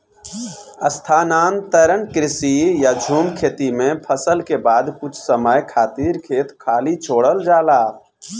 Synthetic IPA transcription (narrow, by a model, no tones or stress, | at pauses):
əst̪ʰanant̪əɾənkɾisijad͡ʒʱumkʰet̪imepʰəsəlkebad̪kut͡ʃʰsəməjkʰat̪iɾkʰet̪kʰalit͡ʃʰoɽəld͡ʒala